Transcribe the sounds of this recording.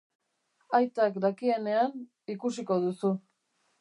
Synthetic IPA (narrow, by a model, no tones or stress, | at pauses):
ajt̪akd̪akie̞ne̞an | ikusiko̞ð̞usu